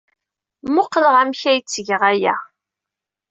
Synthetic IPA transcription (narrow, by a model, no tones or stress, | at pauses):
mʊqːləʁæmçæjt͡sːəʝəʁæjæ